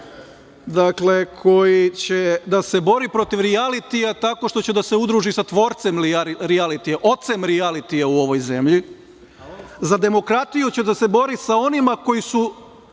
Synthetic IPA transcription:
d̪akle̞kʰo̞jit͡ɕe̞d̪ase̞bo̞ɾipɾo̞t̪iʋɾialit̪ijat̪ako̞ʃt̪o̞t͡ɕe̞d̪ase̞ud̪ɾuʒisat̪ʋo̞ɾt̪se̞miɾialit̪ijeʔo̞t̪se̞mɾialit̪ijauo̞ʋo̞jze̞mʎi | zad̪e̞mo̞kɾat̪ijut͡ɕe̞d̪ase̞bo̞ɾisao̞nimako̞jisu

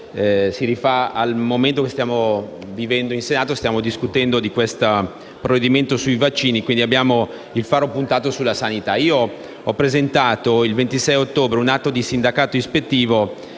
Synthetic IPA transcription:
siɾifaalmoment̪okest̪jaːmo | vivɛnd̪oinsenaːt̪ost̪jaːmod̪iskut̪ɛnd̪od̪ikwest̪a | pɾoved̪iment̪osuijvat͡ʃːiːnikwind̪iabːjaːmo | ilfaːɾopunt̪aːt̪osulːasanit̪aiːo | ɔpːɾezent̪aːt̪oilvent̪isɛjot̪ːoːbɾeunat̪ːod̪isind̪akaːt̪oispet̪ːiːvo

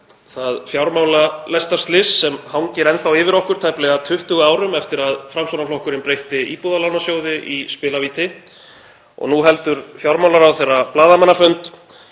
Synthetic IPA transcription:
θaðfjawɾmawlalɛst̪aɾ̥st̪lɪsːɛmhawɲcɪɾɛnθawɪːvɪɾɔhkʏɾ̥t̪ʰajplɛɣat̪ʰʏht̪ʏɣʏaːwɾʏmɛft̪ɪɾaðfɾamsownaflɔhkʏɾɪnpɾejht̪ɪiːpuðalawnasjoːwðɪʔispɪːlaviːt̪ɪ | ɔ̰ɣnuɦɛl̪t̪ʏɾfjawɾmawlaɾawθejrːaplaːðamanːafœnt̪

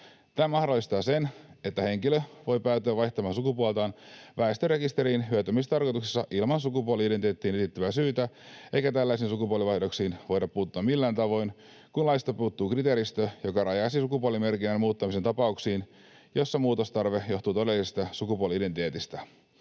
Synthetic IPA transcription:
t̪æːmɑhdolːist̪ɑːse̞ne̞t̪ːæhe̞ŋkiløʋo̞jpæːt̪øæʋɑjht̪ɑmɑːnsukupuolt̪ɑːnʋæest̪øre̞kist̪eɾiːnɦyøt̪ømist̪ɑrko̞jt̪uksi̥sːɑʔilmɑnsukupuoliideneːt̪ːiːnet̪it̪ːyæsyːt̪æʔe̞jkæt̪ælːæisiːnsukupuoliʋɑjhdoksiːnʋo̞jdɑpːuːt̪ːuɑmilːæːnt̪ɑʋo̞jn | kunlɑist̪opuːt̪ːuːkrit̪eːɾist̪øjo̞kɑrɑjɑsisukupuolime̞rkinːænmuːt̪ːɑmiset̪ɑpɑuksiːn | jo̞sːɑmuːt̪ost̪ɑrʋehjo̞xt̪uːt̪o̞de̞lːˑisist̪ɑsukupuoliident̪it̪eːt̪ist̪æ

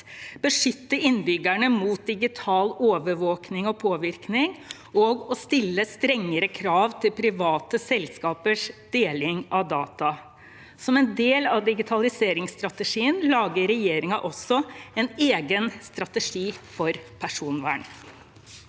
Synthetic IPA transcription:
b̥əʂʏt̪ːəɾɪnbʏɡæɳəmuːt̪̚d̪ɪɡɪt̪ʰɑːloːʋəɾʋoːknɪŋɔpʰoːʋɪɾknɪŋ | ɔɡɔst̪ɪlːəst̪ɾɛŋːəɾəkʰɾɑːʋt̪ʰɪlpʰɾɪʋɑːt̪əsɛlskɑːpəʂd̪̥eːlɪŋʔɑʋd̪ɑːt̪ɑ | sɔmɛnd̪eːlɑʋd̪ɪɡɪt̪ʰɑlɪseːɾɪŋst̪ɾɑt̪əʂiːənlɑːɡəɾɛjeːɾɪŋɑʔɔsːɔɛneːɡənst̪ɾɑt̪əʂiːfɔɾpʰæʂuːnʋæ̰ːɳ

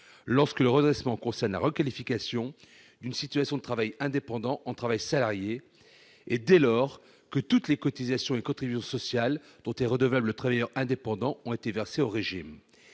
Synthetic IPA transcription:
lɔʁskələʁəd̪ʁɛsmɑ̃kɔ̃sɛʁnla̰ʁəkalifikasjɔ̃ | d̪ynsit̪ɥasjɔ̃d̪ət̪χavajɛ̃d̪epɑ̃d̪ɑ̃ʔɑ̃t̪χavajsalaʁjeː | d̪ɛlɔʁ | kət̪ut̪lekɔt̪izasjɔ̃ekɔ̃t̪χibysjɔ̃sɔsjal | d̪̥ɔ̃t̪ɛʁəd̪əvlablət̪χavajœʁɛ̃d̪epɑ̃d̪ɑ̃ɔ̃et̪evɛʁseoʁeʒim

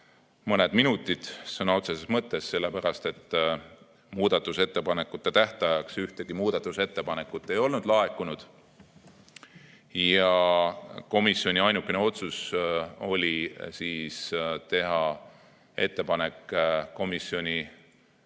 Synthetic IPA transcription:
mɤne̞d̪̥minut̪ːˑid̪̥sɤnɑo̞t̪sesesmɤt̪ːˑe̞sːe̞lːe̞pæɾɑst̪e̞t̪ː | muːd̪̥ɑt̪ːˑuse̞t̪ːe̞pɑne̞kːˑut̪ːˑet̪æht̪ɑjɑksyht̪e̞ɡ̥imuːd̪̥ɑt̪ːˑuse̞t̪ːe̞pɑne̞kːˑut̪ːˑe̞jo̞lnud̪̥lɑe̞kːˑunud̪̥ | jɑ | ko̞misːio̞nʲiɑjnukːˑe̞ne̞o̞t̪suso̞lʲisiːst̪e̞ɦɑ | e̞t̪ːe̞pɑne̞kˑːo̞misːjo̞nʲi

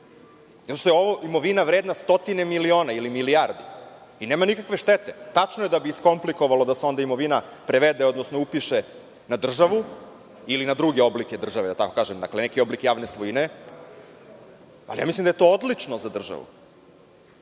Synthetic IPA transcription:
zat̪oʃt̪ojeo̞ʋoʔimo̞ʋinaʋɾeːd̪nast̪o̞t̪ine̞milio̞ːnailimilijaɾd̪iineːmanikakʋe̞ʃt̪et̪et̪at͡ʃnojed̪abiisko̞mpliko̞ʋalod̪aseo̞nd̪aimo̞ʋina | pɾeʋed̪eod̪nosno̞upiʃe | nad̪r̩ʒaʋu | ilinad̪ɾuɡeo̞blike̞d̪r̩ʒaʋed̪at̪ako̞kaːʒemd̪a̰klenekio̞blikjaːʋnesʋojine | a̰lija̰ːmislimd̪ajet̪o̞ːod̪lit͡ʂnozad̪r̩ʒa̰ʋṵ

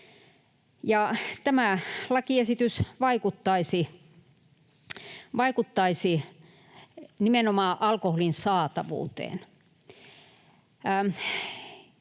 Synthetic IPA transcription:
jɑt̪æmælɑkiesit̪ysʋɑikut̪ːɑisi | ʋɑikut̪ːɑisi | nimenomɑːʔɑlkoholinsɑːt̪ɑʋṵːt̪ḛːn

